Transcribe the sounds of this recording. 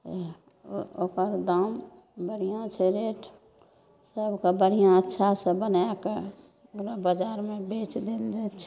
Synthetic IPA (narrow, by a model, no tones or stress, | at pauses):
okəɾd̪aːm | bəɽ̤ijãt͡ʃʰeɾeːʈʰ | səbkabəɽ̤ijãətːʃʰasəbənake | ɾabəd͡ʒaːɾmẽbeːt͡ʃd̪eld͡ʒ̪et͡ʃʰ